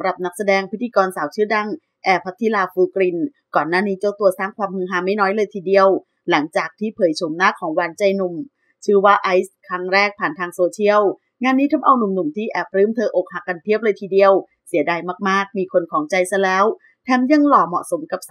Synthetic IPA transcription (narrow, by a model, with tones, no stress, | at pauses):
mɾa˨˩p̚na˦˥k̚sa˧dɛː˧ŋpʰi˦˥t̪ʰːiː˧kɔː˧nsaː˩˦wt͡ɕʰɯː˥˩da˧˥˩ŋ | ʔɛː˨˩pʰːa˦˥t̪ʰːi˦˥laː˧fuː˧kɾi˧n | kɔː˨˩nːaː˥˩niː˦˥t͡ɕɔ˧˩t̪u˧ɐsaː˥˩ŋkʰwaː˧mhɯ˧ŋɦaː˧˩ma˥˩jnɔː˦˥jlɤː˧jt̪ʰiː˧˩di˧əw | la˩˦ŋt͡ɕaː˨˩k̚t̪ʰiː˥˩pʰɤː˩˦jt͡ɕʰo˩˦mnaː˥˩kʰɔː˩˦ŋwaː˧nt͡ɕa˧jnu˨˩m | t͡ɕʰɯː˥˩waː˥˩ʔa˦˥jskʰɾa˦˥ŋɾɛː˥˩k̚pʰaː˨˩nt̪ʰaː˧ŋsoː˧t͡ɕʰi˥˩əw | ŋaː˧nːiː˦˥t̪ʰa˦˥mʔa˧wnu˨˩mnu˨˩mt̪ʰiː˥˩ʔɛː˨˩p̚ɾɯː˦˥˩mt̪ʰɤː˧ʔo˨˩k̚ha˨˩kːa˧nt̪ʰi˦˥˩əp̚lɤː˧jt̪ʰiː˧di˧əw | si˩˦ədaː˧jmaː˥˩k̚maː˥˩k̚miː˧kʰo˧nkʰɔː˩˦ŋt͡ɕa˧jsa˧lɛː˦˥w | t̪ʰɛː˧mja˧˥˨ŋlɔː˨˩mɔ̰˨˩ʔso˩˦mka˨˩p̚